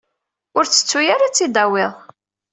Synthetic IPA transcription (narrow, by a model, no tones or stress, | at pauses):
ʊɾt͡sːə̥t͡sːujaɾat͡sːid̪awɪðˤ